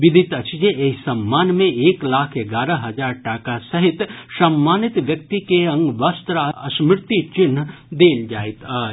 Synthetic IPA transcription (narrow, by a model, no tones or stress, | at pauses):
ʋɪd̪ʱɪt̪ɐt͡ʃd͡ʒeesɐmːaːnmẽeːklaːkʰeɡaːɾəɦɐd͡ʒaːɾʈaːkasɐɦɪt̪sɐmːaːnɪt̪ʋjɐk̚t̪ikeɐ̃ŋɡʋast̪ɾaɐʃmɪɾt̪it͡ʃɪnː | d̪eːld͡ʒaːit̪a